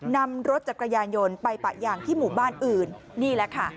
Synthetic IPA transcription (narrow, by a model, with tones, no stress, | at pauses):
na˧mɾo˦t̪̚t͡ɕa˨˩kɾa˧jaː˧njo˧npa˧jpa̰˨˩ʔjaː˨˩ŋt̪ʰiː˥˩muː˨˩baː˥˩nʔɯː˨˩nː | iː˥˩lɛ˦˥kʰa˥˩